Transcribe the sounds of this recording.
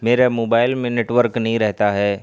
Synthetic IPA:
meːɾemoːbaːɪlmẽneːʈʋəɾknɐɦĩɾɛɦt̪aɦɛː

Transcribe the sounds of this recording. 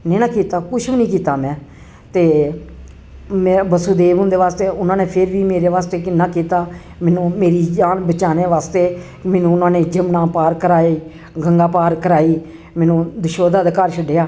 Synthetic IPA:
nẽːnãːkiːt̪aːkʊt͡ʃʰbnĩːkiːt̪aːmɛ̃ː | t̪eː | mɛ̃ːbəsuːd̪eːʋ̃ːnd̪eːʋaːst̪eːʊnãːneːpʰɪɾʋiːmeːɾeːʋaːst̪eːkɪnːãːkiːt̪aː | mɛːnũːmeːɾiːd͡ʒaːnbət͡ʃaːneːʋaːst̪eː | mɛːnũːʊnãːneːd͡ʒəmnãːpaːɾkəɾaːiː | ɡəŋɡaːpaːɾkəɾaːiː | mɛ̃ːnũːd̪əʃoːd̪aːd̪ekaɾʃəɖeːjaː

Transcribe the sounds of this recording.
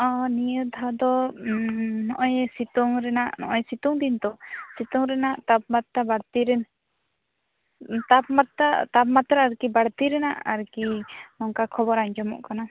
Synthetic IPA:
ɔnijəd̪ʱad̪ɔ | nɔʔɔjsit̪ɔŋɾɛnaʔnɔʔɔjsit̪ɔŋd̪int̪ɔsit̪ɔŋɾɛnaʔt̪ab̚mat̪ːabaɽt̪iɾɛn | t̪ab̚mat̪at̪apmat̪ɾaaɾkibaɽt̪iɾɛnaʔa̰ɾkinɔŋkakʰɔbɔɾaɲd͡ʒɔmɔ̰ʔkana

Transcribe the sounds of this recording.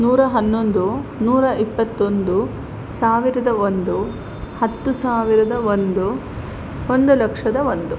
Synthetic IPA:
nuːɾɐɦɐnːond̪unuːɾɐʔipːɐt̪ːo̞nd̪u | saːʋiɾɐd̪ɐond̪u | hɐt̪ːusaːʋiɾɐd̪ɐʋond̪u | ond̪ulɐkʂɐd̪ɐʋond̪u

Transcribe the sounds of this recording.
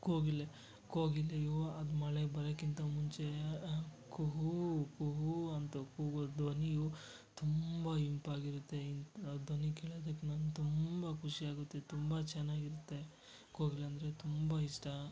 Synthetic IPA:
koːɡilːe | koːɡilejoɐd̪mɐɭebɐɾɐkint̪ɐmuɲt͡ʃe̞ | kuɦukuɦuɐnt̪ɐkud̪ʋɐniju | t̪umbɐimpaːɡiɾut̪ːe̞ind̪ʋɐnikeɭɐd̪ɐkːenant̪umbɐkʰuʂiaːɡut̪ːe̞t̪umbɐt͡ʃɛnːaːɡiɾut̪ːe̞ | koːɡilːeɐnd̪ɐɾe̞t̪umbɐiʂʈɐ

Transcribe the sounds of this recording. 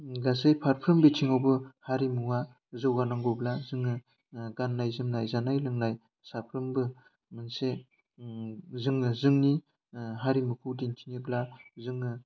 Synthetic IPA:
ɡasejpʰaɾpʰɾɯmbetʰiŋawbɯhaɾimuŋa | zɯwɡanaŋɡoblazɯŋɯ | ɡanːajzɯmnajzanajlɯŋnaj | sapʰɾɯmbɯ | mɯnse | zɯŋɯzɯŋni | ɦaɾimɯkʰɯwdintʰiniblazɯŋːɯ

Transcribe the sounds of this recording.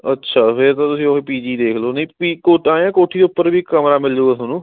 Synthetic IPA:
ətːʃʰaːpʰɪɾt̪ãt̪ʊsĩokepiːd͡ʒiːd̪eːkʰloːnəĩːpiːkoːʈãːãːkoːʈʰiːd̪eʊpːəɾbiːkəmɾaːmɪld͡ʒoːɡaːsonũː

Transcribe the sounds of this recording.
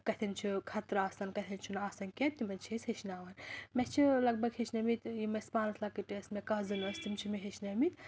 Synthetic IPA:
kɐt̪ʰɐnt͡ʃʰukʰɐt̪ɾaːsɐnkɐt̪ʰɐnt͡ʃʰunaːsɐnkʲet̪imɐnt͡ʃʰesʲhet͡ʃʰnaːʋɐnmɛt͡ʃʰilɐɡ̚bɐɡhet͡ʃʰʲnɐmit̪jimespaːnɐslɐkːiʈismɛkɐzɨnɐst̪imt͡ʃʰimiɦet͡ʃnɐmit̪

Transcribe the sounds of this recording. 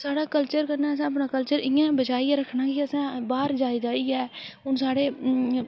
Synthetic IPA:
saːɽaːkəlt͡ʃəɾkəɾnaːəs̬ãːəp̬nãːkəlt͡ʃəɾɪ̃jãːbət͡ʃaːiɛːɾəkʰːnaːkiəsɛ̃ːbaːɾd͡ʒaːɪd͡ʒ̪aːiːɛːʊnsaːɽeː

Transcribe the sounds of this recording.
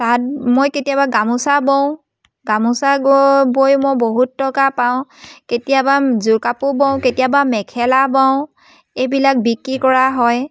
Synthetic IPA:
tat̚mojketijabaɡamusabɔʊ̃ | ɡamusaɡbojmojboɦutːɔkapaʊ̃ketijabazukapʊbɔʊ̃ketijabamɛkʰɛlabaʊ̃ | ejbilak̚bikɹikɔɹaɦɔj

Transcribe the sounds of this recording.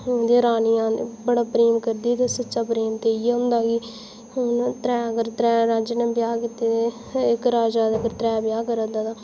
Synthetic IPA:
d̪eɾaːnijãːbəɽaːpɾeːmkəɾd̪iːt̪eːsətːʃaːpɾeːmt̪eːieɦʊnd̪aːɡi | nt̪ɾɛːəɡəɾt̪ɾɛːɾaːd͡ʒənẽːbɪjaːkɪt̪eːt̪e | ɪkɾaːd͡ʒaːd̪əɡəɾt̪ɾɛːbɪjaːkəɾəd̪aːd̪aː

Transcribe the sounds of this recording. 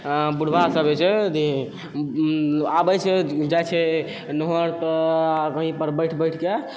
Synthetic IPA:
buɽ̤ʱbasəbet͡ʃʰɛd̪i | abəjt͡ʃʰɛd͡ʒajt͡ʃʰɛ | nɔɦɔɾt̪ɔkəɦĩpəɾbəjʈʰbəjʈʰke

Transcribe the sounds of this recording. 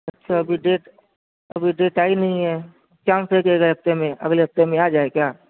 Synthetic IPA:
ɐtːʃʰaɐbʱiɖeːʈ | ɐbʱiɖeːʈaːinɐɦĩɦɛ | t͡ʃãːnsekeɡleɦɐft̪emẽʔɐ̰ɡleɦɐft̪emẽaːd͡ʒaːekjaː

